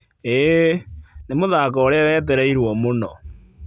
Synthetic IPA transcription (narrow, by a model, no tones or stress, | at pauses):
e | nemoðaːkɔoɾeawɛːt̬ɛɾɛiɾwɔmonɔ